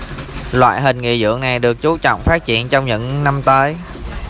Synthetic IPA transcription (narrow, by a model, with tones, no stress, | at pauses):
lwa̰ː˧˨jɦï˨˩ŋ̟ŋḭ˧˨zɨ̰˧˥əŋna˨˩jɗɨ˨˩ək̚t͡ɕu˨˦t͡ɕɔ̰˧˨wŋ͡mfaː˦˥t̚t͡ɕḭ˧˨ənt͡ɕɔ˧wŋ͡mɲɨ̰˧˥ŋna˧mt̪əː˨˦j